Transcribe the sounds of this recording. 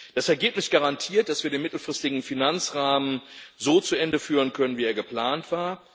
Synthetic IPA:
d̥asɛɐɡeːpnɪsɡ̥aʁantʰiːɐt̚d̥asv̥iːɐdeːnmɪtl̩fʁ̥ɪstɪɡŋ̩finant͡sʁaːmənzoːt͡suʔɛndəfyːʁənkʰœnənviːeːɐɡəpl̥aːntv̥aːɐ

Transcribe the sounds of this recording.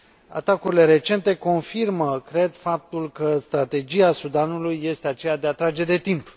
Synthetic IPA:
a̰t̪akuɾile̞ɾe̞t͡ʃe̞nt̪e̞ko̞nfirməkɾe̞d̪fap̚t̪ulkəst̪ɾat̪e̞d͡ʒiasud̪anulujːe̞st̪e̞at͡ʃe̞jad̪e̞at̪ɾad͡ʒe̞d̪e̞t̪imp

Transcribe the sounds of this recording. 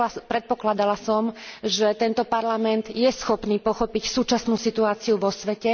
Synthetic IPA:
pɾɛt̪̚pɔklad̪alasɔmʒɛt̪ɛnt̪ɔpaɾlamɛnd̪jɛsxɔpniːpɔxɔpicsuːt͡ʃasnuːsit̪uaːt͡siuʋɔsʋɛcɛ

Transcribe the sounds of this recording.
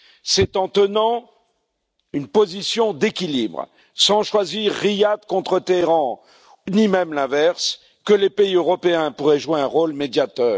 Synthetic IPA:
sɛt̪ɑ̃t̪ənɑ̃ | ynpozisjɔ̃d̪ekʲilḭbʁ | sɑ̃ʃwaziʁːijad̪kɔ̃t̪χət̪eeʁɑ̃ | nimɛmlɛ̃vɛʁs | kəlepeiøʁɔpeɛ̃puʁɛʒweɛ̃ʁolmed̪jat̪œːʁ

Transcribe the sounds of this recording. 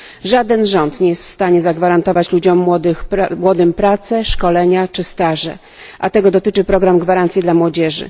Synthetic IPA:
ʐad̪ɛnʐɔnt̪ɲɛjɛst̪fst̪aɲɛzaɡvaɾant̪ɔvat͡ɕlud͡ʑɔmːwɔd̪ɘxpmwɔd̪ɘmpɾat̪sɛʂkɔlɛɲat͡ʂɘst̪aʐɛ̰ | ʔat̪ɛɡɔd̪ɔt̪ɘt͡ʂɘpɾɔɡɾamɡvaɾant̪sʲjid̪lamwɔd͡ʑɛʐɘ̰

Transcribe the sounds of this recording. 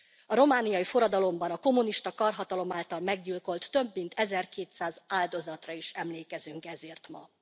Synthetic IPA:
ɒɾo̞maːnijɒjifo̞ɾɒd̪ɒlo̞mbɒnɒko̞mːuniʃt̪ɒkɒrɦɒt̪ɒlo̞maːlt̪ɒlmɛɡɟilko̞lt̪ːø̞bːint̪ʰɛzɛrkeːt̪saːzaːld̪o̞zɒt̪rɒiʃɛmleːkɛzyŋkɛzeːrt̪mɒ̰

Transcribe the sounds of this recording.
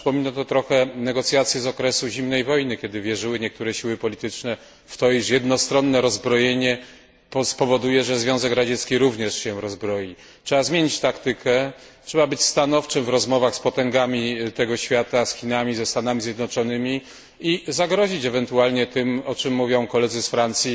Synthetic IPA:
pɔmʲinat̪ɔt̪ɾɔxɛnɛɡɔt̪sʲjat̪sʲjɛzɔkɾɛsuʑimnɛjvɔjnɘkʲjɛd̪ɘvʲjɛʐɘwɘɲɛk̚t̪uɾɛɕiwɘpɔlʲit̪ɘt͡ʂnɛ | ft̪ɔiʂjɛd̪nɔst̪ɾɔnːɛɾɔzbɾɔjeɲɛ | pɔspɔvɔd̪ujɛʐɛzvʲjɔ̃w̃zɛkɾad͡ʑɛt̪skʲiɾuvɲɛʂɕɛɾɔzbɾɔji | t͡ʂʂɛbazmʲjeɲit͡ɕt̪akt̪ɘkʰɛtʂɛbabɘt͡ɕʲst̪anɔft͡ʂɘmvɾɔzmɔvaxspɔt̪ɛŋɡamʲit̪ɛɡɔɕfʲjat̪asxʲinamʲizɛst̪anamʲizʲjɛd̪nɔt͡ʂɔnɘmʲi | izaɡɾɔʑit͡ɕɛvɛnt̪ualɲɛt̪ɘmɔt͡ʂɘmːuvʲjɔ̃w̃kɔlɛd̪zɘsfɾant̪sʲji

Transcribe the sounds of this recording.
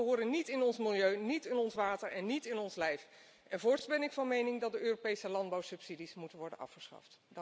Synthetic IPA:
əɦʊːɾənitɪnɔnsmɪlˠjøɥnitɪnɔnsʋaːtəɹɛnːitɪnɔnslɛjf | ɛnvʊːɹsbɛnɪkfɑnmejnɪŋdɑt̚dəʔøːropejsəlɑnd̚bɑwsɵpsidismutənʋɔɹdə̰nʔɑ̰fχəsχɑ̰ft

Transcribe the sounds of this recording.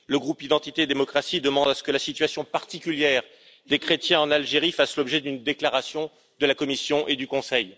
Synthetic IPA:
ləɡʁupid̪ɑ̃t̪it̪ed̪emɔkχasid̪əmɑ̃d̪asə̥kəlasit̪ɥasjɔ̃paʁt̪ikʲyljɛʁ | d̪ekχet̪jɛ̃ɑ̃nalʒeʁifaslɔbʒɛd̪ynd̪eklaʁasjɔ̃ | d̪əlakɔmisjɔ̃ʔed̪ykɔ̃sɛj

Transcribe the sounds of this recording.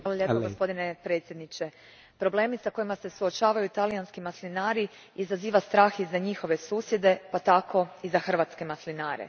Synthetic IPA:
ʋalˠoʎʲepoɡospo̞d̪ine̞pɾe̞ːt̪sjed̪nit͡ʃe̞ | pɾo̞ble̞ːmisako̞jimase̞suot͡ʃaːʋajut̪alijanskimaslinaːɾi | izaziːʋast̪ɾaːxizaɲixo̞ʋe̞suːsje̞d̪e̞pat̪ako̞izaxr̩ʋaːt̪ske̞maslinaːɾḛ

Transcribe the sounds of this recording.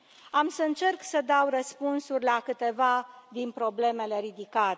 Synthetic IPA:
amsəɨnt͡ʃe̞rksəd̪awrəspunsurʲlakɨt̪e̞vad̪inpɾo̞ble̞me̞le̞ɾid̪ikat̪e

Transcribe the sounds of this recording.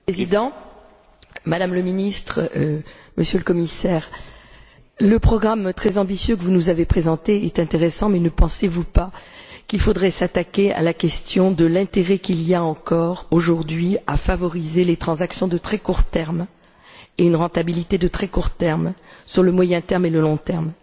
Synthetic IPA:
ezid̪ɑ̃ | mad̪amləminist̪χ | məsjøləkɔmisɛːʁ | ləpχɔɡʁamt̪χɛzɑ̃bisjøkəvunuzavepχezɑ̃t̪eɛt̪ɛ̃t̪eʁɛsɑ̃mɛnəpɑ̃sevupakʲilfod̪ʁɛsat̪akʲea̰lakʲɛst̪jɔ̃d̪əlɛ̃t̪eʁɛkʲilijaɑ̃kɔʁoʒuʁd̪ɥia̰favɔʁizelet̪χɑ̃zaksjɔ̃d̪ət̪χɛkuʁt̪ɛʁm | eynʁɑ̃t̪abilit̪ed̪ət̪χɛkuʁt̪ɛʁmsyʁləmwajɛ̃t̪ɛʁmeləlɔ̃t̪ɛʁm

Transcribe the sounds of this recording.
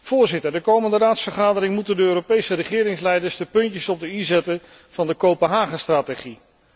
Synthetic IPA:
v̥ʊːɹzɪtəɹdəkowməndəraːtsfəɹχaːdəɾɪŋmutəndəøːɾopejsərəχɪːɾɪŋslɛjdəɹsdəpɵntəsɔb̚dəizɛtə | v̥ɑndəkowpənɦaːχəstraːteχi

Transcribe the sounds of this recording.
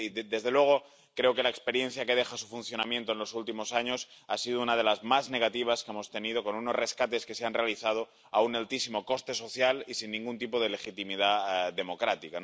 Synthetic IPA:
id̪e̞zðe̞lwe̞ɣ̞o̞ | kɾe̞oke̞laekspe̞ɾje̞nθjake̞ð̞e̞xasufun̟θjo̞namjent̪oenlo̞sult̪imo̞saɲo̞sasiðounað̞e̞lazmazne̞ɣ̞at̪iβ̞askee̞mo̞st̪e̞nið̞o̞ko̞nuno̞zre̞skat̪e̞ske̞seanre̞aliθað̞o | aunalt̪isimo̞ko̞st̪e̞so̞θjalisinːĩŋɡunt̪ipoð̞e̞le̞xit̪imiðaðe̞mo̞kɾat̪ika

